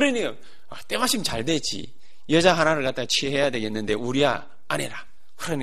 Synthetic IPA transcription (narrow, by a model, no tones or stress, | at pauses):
kɯɾʌɲika | at͈e̞maɕʰimt͡ɕaɭdwet͡ɕ͈ḭ | jʌd͡ʑaɦanaɾɯɭkat͈̚at͡ɕʰieɦe̞jadwe̞ɡe̞nːɯnde̞uɾia̰ː | ɲiɾa | kɯɾʌnɲi